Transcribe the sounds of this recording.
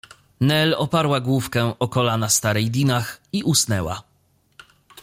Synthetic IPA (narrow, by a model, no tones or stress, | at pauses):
nɛlɔpaɾwaɡwufkɛʔɔkɔlanast̪aɾɛjd̪ʲinaxiʔusnɛwa̰